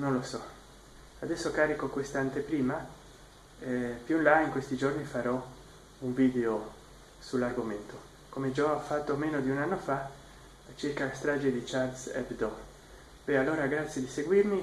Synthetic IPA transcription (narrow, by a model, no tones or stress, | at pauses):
nõnlosɔ | ad̪ɛsːokaːɾikokwest̪ant̪epɾiːma | pjunlaiŋkwest̪id͡ʒornifaɾɔ | uɱvid̪eo | sularɡoment̪o | komed͡ʒɔafat̪ːomenod̪iunanːofa | t͡ʃiɾkalast̪ɾad͡ʒed̪it͡ʃard̪sɛ̰pd̪ɔ | b̥ɛalːoːɾaɡɾat̪sjed̪iseɡwiɾmi